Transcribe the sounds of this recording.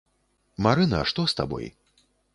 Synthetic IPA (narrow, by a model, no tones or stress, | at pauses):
maɾɨnɐʂt̪ɔst̪a̰bɔ̰j